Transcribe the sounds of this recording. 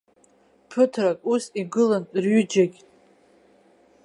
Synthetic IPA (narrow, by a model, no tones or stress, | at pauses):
pʰɨtʰrakʼusiɡɨlanrɥʏd͡ʒaɡʲʼ